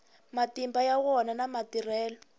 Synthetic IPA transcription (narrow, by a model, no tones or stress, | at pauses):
matimbajawɔnanamatirɛːlɔ